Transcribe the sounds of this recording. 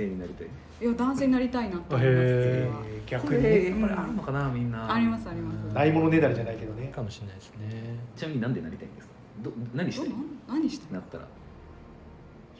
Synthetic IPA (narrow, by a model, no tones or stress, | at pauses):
eɲ̟inaɾʲit̪aḭ | jad̪ãɰ̃se̞ːɲʲinaɾʲit̪ainat̪ːe | ɡʲakɯapːaɾiaɾɯnːo̞kanamʲĩnːaaɾʲimasɨaɾʲimasd̪aimo̞no̞ne̞d̪aɾid͡ʑanaike̞d̪onekamoɕinaisɨneit͡ɕinamk̟ɲinãnd̪e̞na̰ɾʲit̪a̰ḭ̃nd̪esɨ̥ | d̪onaɲ̟iɕitanaɲ̟iɕi̥t̪nat̪ːaɾa̰